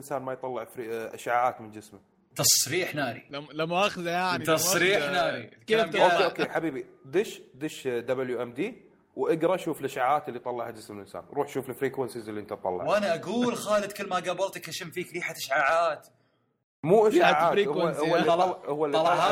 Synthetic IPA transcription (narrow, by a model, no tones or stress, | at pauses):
nsaːnmajt̪ˤɑlːɪʕfɾiʔa̰ʃʕaːʕaːt̪mɪnd͡ʒɪsma | t̪ɑsˤɾiːħnaːɾḭlamːaʔaxðjaʕnt̪ɑsˤɾiːħnaːɾikmoːkeʔokːeːħabiːbid̪ɪʃd̪ɪʃd̪abɪljuʔɛmd̪iː | wʔaɡɾˤɑʔaʃuːflʔaʃʕaʕaːt̪ɪlːit̪ˤɑlːɑʕhad͡ʒɪsmɪlʔɪnsa̰ːnɾˤuːħʃuːflfɾiːkansizɪlːiʔənt̪at̪ˤɑ̰lːɑʕwʔanaʔaɡuːlxaːlɪd̪kəlːmaɡabɑɾˤt̪akaʃɪmfiːkɾiːħat̪aʃʕaːʕaːt̪ | muːʔaʃaʕaːtɾiwaʊwːaɑhʊwːalːiɑlɑʕa